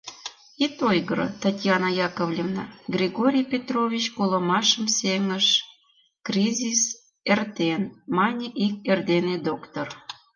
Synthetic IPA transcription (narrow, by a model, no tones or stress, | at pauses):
it̪ojɣəɾə̰t̪ɑt̪ʲjɑnɑjɑkəvlʲevnɑɡrʲeɣoɾʲijpʲet̪rovʲit͡ɕkolˠə̆mɑʃəmseŋəʃ | krʲizʲis | ert̪enmɑnʲeʔik̚erd̪ened̪okt̪or